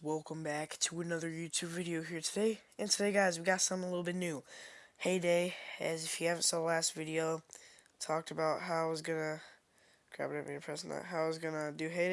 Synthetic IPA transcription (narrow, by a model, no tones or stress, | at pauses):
wɛlˠkə̃mbæktʰəɨnʌðə˞jʉtʰʉbvɪɾioʊɦiɹtʰɨdeɪɨ̃ntʰɨdeɪɡaɪzwiɡɑtsʌ̃mθɪ̃ŋəlɪɾl̩ˠbɪtⁿnʉheɪdeɪɨzɨfjɨhævɨ̃n̩tsɔlæstvɪɾioʊ | tʰɔk̚tɨbaʊt̚ɦaʊwʌzɡʌnɨ | ɡ̥ʰɹ̥æ̰bɾɨt̚bḭɨ̃pʰɹ̥ɛsn̩ða̰ʔ̚ɦaʊwʌzɡʌnədɨɦeɪɾ